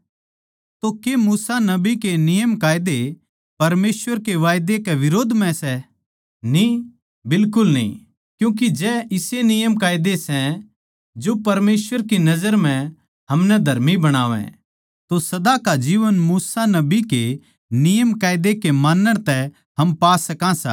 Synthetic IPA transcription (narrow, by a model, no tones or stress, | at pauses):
t̪okemuːsanɐbikenɪjəmkaːjd̪e | pɐɾmeːsʋəɾkeʋaːjd̪ekɛʋɪɾoːd̪ʱmɛ̃sɛ | nĩ | bɪlkʊlnḭ̃ː | kjũːk̬id͡ʒɛɪsenɪjəmkaːjd̪esɛ̃ | d͡ʒopɐɾmeːsʋəɾkinɐd͡ʒəɾm̤ɛ̃ | ɦɐmnɛd̪ʱɐɾmibɐɽ̃aːʋɛ̰̃ | t̪osɐd̪akad͡ʒiːʋənmuːsanɐbike | nɪjəmkaːɪd̪ekemaːnːəɽ̃t̪ɛ | ɦɐmpaːsɐkãsa̰ː